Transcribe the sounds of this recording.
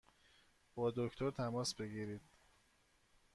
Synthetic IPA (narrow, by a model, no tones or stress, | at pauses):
b̥ɒːd̪o̞ct̪ʰoɾt̪ʰæmɒːsbe̞ɡiːɾiːd̪̥